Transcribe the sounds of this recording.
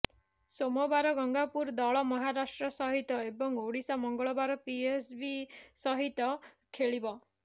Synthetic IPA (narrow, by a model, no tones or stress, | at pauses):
somɔbaɾɔɡɔŋɡapuɾd̪ɔɭɔmɔɦaɾasʈɾɔsɔɦit̪ɔebɔŋoɽisamɔŋɡɔɭɔbaɾɔpiesbisɔɦit̪ɔ | kʰeɭibɔ